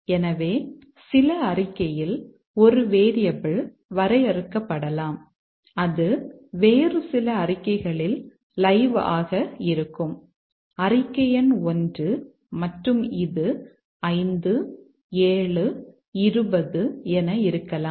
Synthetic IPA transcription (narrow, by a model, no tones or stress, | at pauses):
ɛnɐʋeː | sɪlɐɐrɪkːɐjɪl | ɔɾɯʋeːɾɪjɐbɪɭ | ʋɐɾɐɪɐɾɯkːɐpːɐɽɐlaːm | ɐðɯʋeːrɯsɪlɐɐrɪkːɐɪɣɐɭɪl | lɐɪʋa̰ːɣɐɪɾɯkːɯm | ɐrɪkːɐjɐnɔndrɯ | mɐʈrɯmɪðɯ | ɐɪnd̪ɯ | eːɭɯ | ɪɾɯbɐðɯɛnɐɪɾɯkːɐlaːm